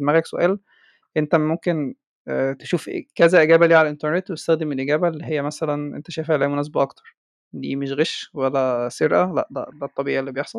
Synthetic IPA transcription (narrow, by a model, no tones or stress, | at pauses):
mæɣɾæɡsoʔæːl | ʔent̪æmomken | t̪eʃuːfkæzæʔeɡæːbæliːʕalʔent̪eɾnet̪ːwet̪e̥st̪æxd̪emelʔeɡæːbælːiɦejːæmæsælænʔḛnt̪æʃæːfeʕlæːhmonæːs̬ebæʔɑkt̪ɑɾˤ | d̪ḭːmeʃɣeʃwælːæseɾʔælæ̰ʔdæ̰ʔd̪æt̪ˤːɑbiːʔelːiːbejeħsˤɑl